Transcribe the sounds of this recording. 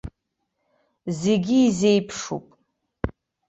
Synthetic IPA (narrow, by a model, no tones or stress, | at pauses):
zeɡʲiːzejpʰʂṵpʼ